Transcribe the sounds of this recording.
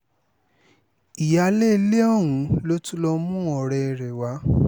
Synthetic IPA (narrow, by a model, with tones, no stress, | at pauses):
i˨ja˧˦le˦le˦ɔ˦˨wũ˨˦lo˦tu˦lɔ˧mũ˦ɔ˨ɾɛ˧˨ɾɛ˨wa˨˧˦